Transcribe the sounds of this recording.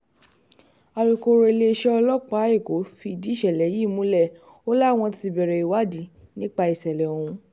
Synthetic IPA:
a˧lo˨ko˧ɾe˧le˧ʃɛ˦ɔ˧lɔ˦k͡pa˦e˦˨ko˨˦fi˧di˨˦ʃɛ˨lɛ˨˦ji˦˨mũ˦lɛ˦˨ | o˦la˦˨w̃ɔ̃˧ti˧bɛ˨ɾɛ˨i˨wa˦di˨˦nĩ˦k͡pa˧i˨sɛ˨lɛ˨o˨ũ˧

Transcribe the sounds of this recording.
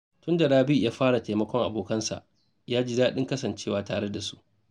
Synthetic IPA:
tʊ˦nda˨ɾaː˦bi˦˨jaː˦ɸaː˦ɽa˨teː˨mɐ˦kʷɔ˦ŋʔa˨boː˨kɐ˦nsa̰˨ʔ | jaː˦d͡ʒɪ˦daː˦ɗɪ˦ŋkɐ˦sɐ˨nt͡ʃeː˦˨waː˨taː˨ɽe˦da˨su˦ʔ

